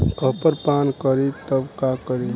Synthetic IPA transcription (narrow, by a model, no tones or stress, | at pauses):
kʰəpəɾpankəɾit̪əbkakəɾi